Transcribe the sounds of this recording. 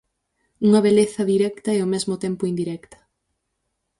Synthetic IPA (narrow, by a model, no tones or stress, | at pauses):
uŋɐβeleθɐðiɾɛkt̪ɐeomɛzmʊt̪ɛmpʊind̪iɾɛkt̪ɐ̥